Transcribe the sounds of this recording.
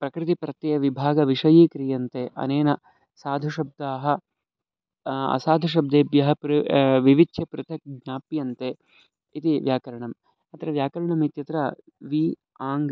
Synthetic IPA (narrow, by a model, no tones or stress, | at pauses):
pɾɐkɾɪt̪ipɾɐt̪ːjɐjɐʋibʱaːɡɐʋiʂɐjiːkɾijɐnt̪eːʔɐ̰neːnɐ | saːd̪ʱuʃɐb̚d̪aːɦɐ̆ | ɐ̰saːd̪ʱuʃ̬ɐb̚d̪eːbjɐɦɐpɾʋiʋit͡ʃʃʰɐpɾɪt̪ʰɐk̚ɡɲaːpjɐnt̪eː | it̪iʋjaːkɐɾɐɳɐm | ɐt̪ɐɾɐʋjaːkɐɾɐɳɐmit̪jɐt̪ɾɐ | ʋiː | aːŋɡ